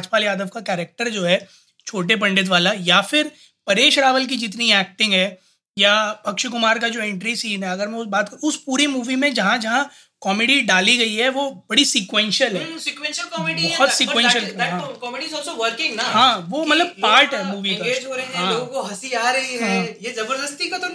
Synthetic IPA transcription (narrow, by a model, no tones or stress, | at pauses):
aːt͡ʃpaːlijaːd̪əʋkakɛːɾek̚ʈəɾd͡ʒoːɦɛː | t͡ʃʰoːʈ̬ep̬ɐ̃ɳɖɪt̪̬ʋaːlajafʰɪɾ | pɐɾeːʃɾaːʋəlk̬id͡ʒɪt̪niɛːk̚ʈɪ̃ŋɡɦɛː | japɐkʃʊk̬ʊmaːɾk̬ad͡ʒoːẽːɳʈɾisiːnɦɛɐɡəɾmɛ̃ʊsbaːt̪kɐʊspuːɾimuːʋimẽd͡ʒɐɦãd͡ʒɐɦã | kɔːmeːɖiɖaːliɡɐiɦɛʋobɐɽisiːkwɛ̃ːnʃəlɦɛːsikwɛ̃nʃəlkɔːmeːɖiɔɦɔt̪sikwɛ̃ːnʃəlɦãkɔːmeɖizɔsoʋəɾkɪ̃ŋɡnaɦãːʋomɐt̪ləb̚paːɾʈɦɛːmuːʋikaeːd͡ʒɦoɾɐeɦɛ̃ãːloːɡ̃koɦɐsiaːɾɐɦeɦɛ̃jezɐbəɾd̪əst̪ikat̪o